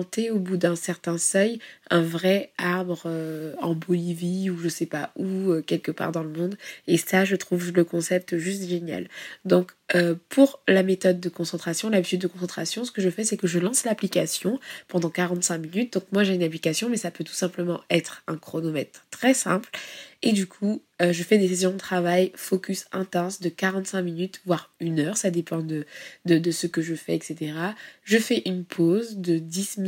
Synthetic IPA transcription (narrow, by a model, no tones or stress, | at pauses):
ɑ̃t̪eobud̪ɛ̃sɛʁt̪ɛ̃sœjɛ̃vʁɛaʁbʁøɑ̃bɔliviuʒəsɛpa̰uøkʲɛlkəpa̰ʁd̪ɑ̃ləmɔ̃d̪esaʒət̪χuvləkɔ̃sɛp̚t̪ʒyst̪ʒenja̰ld̪ɔ̃køpʰuʁlamet̪ɔd̪ːəkɔ̃sɑ̃t̪χasjɔ̃labit̪yd̪ːəkɔ̃sɑ̃t̪χasjɔ̃sə̥kəʒəfɛsɛkəʒəlɑ̃slaplikasjɔ̃pɑ̃d̪ɑ̃kaʁɑ̃t̪sɛ̃minyt̪̚d̪ɔ̃kmwaʒeynaplikasjɔ̃mɛsapøt̪u̥sɛ̃pləmɑ̃ɛt̪χɛ̃kχonomɛt̪χt̪ːχɛsɛ̃pled̪ykʰu | øʒəfɛd̪eses̬jɔ̃d̪ət̪χavajfokʲysɛ̃t̪ɑ̃sd̪əkaʁɑ̃t̪sɛ̃minyt̪vwaʁynœʁsad̪epɑ̃d̪əd̪əd̪əsəkəʒəfɛ̰ɛkset̪eʁaʒəfɛʔynpʰozd̪əd̪ism